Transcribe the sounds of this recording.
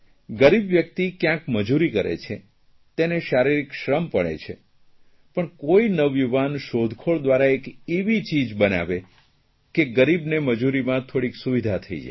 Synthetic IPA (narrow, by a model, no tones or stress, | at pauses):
ɡəɾibʋjək̚t̪ikjãkməd͡ʒuɾikəɾḛt͡ʃʰe | t̪eneʃaɾiɾikʃɾəmpəɭḛt͡ʃʰe | pəɳkoinəʋjuʋanʃod̪ʱkʰoɭd̪ʋaɾaekeʋit͡ʃid͡ʒbəna̰ʋe | keɡəɾibneməd͡ʒuɾimãt̪ʰoɽiksuʋid̪ʱat̪ʰəḭd͡ʒa̰